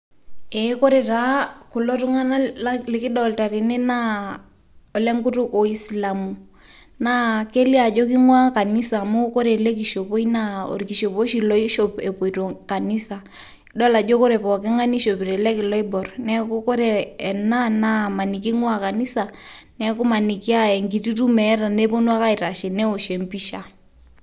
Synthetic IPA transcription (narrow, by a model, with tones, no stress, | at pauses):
ɛ˨˦ko˦ɾe˨ta˨˦kʊ˨lo˦tu˦ŋa˦na˦lɪ˨kɪ˦ɗɔ˦˨lta˨ɾi˨ne˦na˦ | ɔ˨lɛ˦ŋɡu˦tu˦ko˨i˦sla˨mu˨ | na˦ke˦li˦a˨d͡ʒo˦ki˦ŋwa˦ka˨ni˦sa˨mu˦ko˦ɾe˨le˦k̬i˨ʃo˨po˦i˦na˦o̰˨ɾki˨ʃo˨po˦ʃi˨lɔ˦i˦ʃo˦pe˨po˨i˨to˨ka˨ni˦sa˨ | ɗɔ˦la˨d͡ʒo˦ko˦ɾɛ˨pɔ˨kɛ˦ŋa˦ni˦ʃo˨pi˨ɾɛ˨lɛ˦kɪ˨lɔ˦i˦bɔ˨rnɛ˦ko˦ko˦ɾɛ˨na˦na˦ma˨ni˨ki˦ŋwa˦ka˨ni˦sa˨nɛ˦ko˦ma˨ni˨ki˦a˦ɛ˨ŋɡi˨ti˦tu˦mɛ˨˦ɾa˨ne˦po˦nu˦a˦ka˦i˨ta˨ʃɛ˨nɛ˦o˨ʃe˨mpi˦ʃa˨